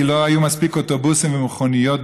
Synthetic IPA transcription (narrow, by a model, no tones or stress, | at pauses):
ilo̞ajumaspikot̪obusimvemuχonijo̞t̪̚